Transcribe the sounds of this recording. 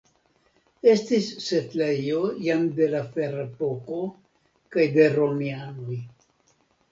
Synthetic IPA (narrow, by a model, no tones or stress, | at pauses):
e̞stisːe̞tlejo̞jamd̪e̞lafe̞ɾepo̞ko̞ | kajd̪e̞ɾo̞mianoj